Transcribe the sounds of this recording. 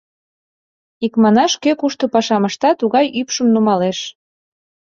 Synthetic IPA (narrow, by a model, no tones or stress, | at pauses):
ikmɑnɑʃkøkuʃt̪ŏpɑʃɑməʃt̪ɑt̪uɣɑjypʃəmnumɑleʃ